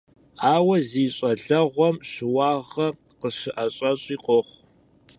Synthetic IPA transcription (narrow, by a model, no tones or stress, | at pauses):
aːwɐziːɕʼɐɮɐʁʷɔmɕɪwɑːʁɐ | qəɕɨʔɐɕʼɐɕʼiːqʷɔχʷ